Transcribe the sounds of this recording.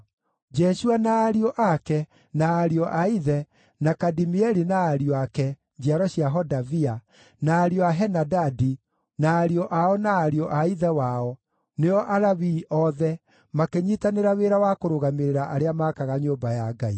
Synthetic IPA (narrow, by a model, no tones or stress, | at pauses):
d͡ʒɛʃuanaːɾiɔʔakɛ | naːɾiɔʔaiðɛ | nakadimiɛɾinaːɾiɔakɛ | d͡ʒiaɾɔɕiaɦɔdavia | naːɾiɔaɦɛnadadi | naːɾiɔʔaɔnaːɾiɔʔaiðɛwaɔ | neɔʔaɾaβiʔɔðɛ | makeɲitaneɾaweɾawakoɾoɣameɾeɾaʔaɾeamaːkaɣaɲoːmbajaɡai